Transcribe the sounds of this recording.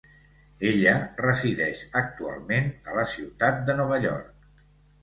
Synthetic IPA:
eʎərəziðɛʃək̚t̪ua̰lˠmenələsiwt̪at̪̚d̪ənɔβ̞əʎɔ̰ɾk̚

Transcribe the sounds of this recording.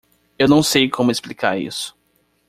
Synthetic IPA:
ewnɐ̃w̃sejkʰõmʊesplikaɾḭsʊ̥

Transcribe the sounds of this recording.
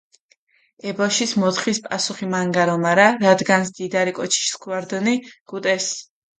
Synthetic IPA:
ɛbɔʃismɔt̪χispʼasuχimaŋɡaɾɔmaɾaɾad̪ɡansd̪̥id̪aɾikʼɔt͡ʃʰi̥ʃskʰwaɾd̪ɔniɡ̥ut̪ʼɛs

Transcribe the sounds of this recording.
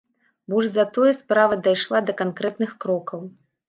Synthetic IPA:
bɔʐzɐt̪ɔjɛspɾavɐd̪ajʂlˠad̪ɐkankɾɛt̪nɨxkɾɔkɐw

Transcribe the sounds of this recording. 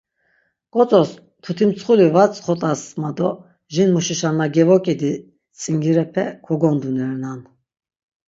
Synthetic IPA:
kʼɔt͡sʼɔs | t̪ʰut̪ʰimt͡sʰχulivat͡sʼχɔt̪ʼasmad̪ɔ | ʒinmuʃiʃanːaɡɛvɔkʼid̪i | t͡sʼiŋɡiɾɛpʰɛkʰɔɡɔnd̪unɛɾnan

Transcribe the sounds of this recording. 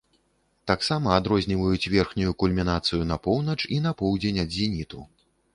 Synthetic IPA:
t̪aksamɐːd̪ɾɔzʲnʲivɐjut͡sʲvʲɛrxnʲujukulʲmʲinat̪sɨjun̪ɐpɔwnɐt͡ʂinɐpɔwd͡zʲenʲɐd̪zʲinʲit̪u

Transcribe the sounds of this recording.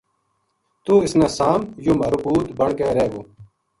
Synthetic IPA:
t̪uːɪsnaːsaːmjuːmɐɾukuːt̪bɐɳkeːɾeːɡoː

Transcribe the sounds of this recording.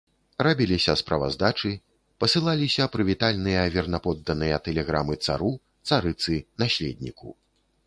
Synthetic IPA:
rabʲilʲisʲɐspɾɐva̰zd̪at͡ʂɨ | pɐsɨlˠalʲisʲɐpɾɨvʲit̪alʲnɨjɐvʲɛrnɐpɔd̪ːɐnɨjɐt̪ɛlʲɛɣɾa̰mɨt̪sa̰ɾu | t̪saɾɨt̪sɨnasʲlʲɛd̪̚ʲnʲikṵ

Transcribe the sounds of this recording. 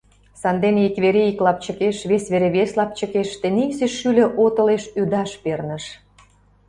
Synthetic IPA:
sɑnd̪eneikβeɾeiklɑp̚t͡ɕə̆keʃβesβeɾeβeslɑp̚t͡ɕə̆keʃt̪ĕnikseʃːylʲĕʔot̪ə̆leʃyd̪ɑʃpernə̆ʃ

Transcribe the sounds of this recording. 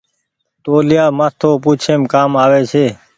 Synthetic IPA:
t̪oːlɪjaːmãːt̪ʰoːpuːt͡ʃʰeːmkaːmaːʋeːt͡ʃʰeː

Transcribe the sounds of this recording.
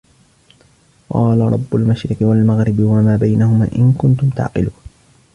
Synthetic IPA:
qɑːlaɾˤɑ̰bːʊlmaʃɾɪqɨwalmaɣɾɪbwamaːbajnahʊma̰ːʔɪnkʊnt̪ʊmt̪a̰ʕqɪ̰luːn

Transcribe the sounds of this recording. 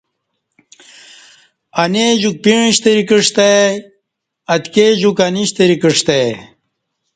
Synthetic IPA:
ɐneʑuk̚piɻĩɕt̪eɾikiʂt̪e | ɐt̪keʑukɐniɕt̪eɾikiʂt̪e

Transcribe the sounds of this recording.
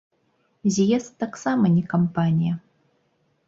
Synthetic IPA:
zʲjɛst̪aksamɐnʲɛkɐmpanʲijɐ

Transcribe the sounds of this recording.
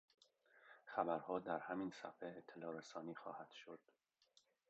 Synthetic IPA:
xæbæɾhɒːd̪æɾhæminsæ̰feːt̪ʰːelɒːɾesɒːniːxɒ̰ːhæd̪̥ʃod̪̥

